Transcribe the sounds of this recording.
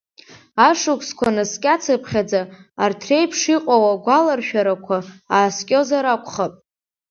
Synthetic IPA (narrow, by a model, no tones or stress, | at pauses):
aʂukʷʰskʷʰanɨskʲʼat͡sʰɨpʰχʲad͡zaːrtʰre̞jpʰʂiqʼawaɡʷalarʃᶣaɾakʷʰaaːskʲʼo̞zaɾakʷʰʼχapʼ